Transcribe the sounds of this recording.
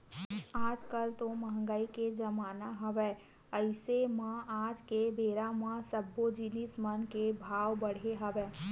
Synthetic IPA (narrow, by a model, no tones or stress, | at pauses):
aːd͡ʒkəlt̪oməɦə̃ŋɡəiked͡ʒɐmaːnaɦɐʋeː | əɪsemãaːd͡ʒkebeːɾamãsəbːod͡ʒinɪsmənkebʱaːwbəɽ̤eɦɐʋeː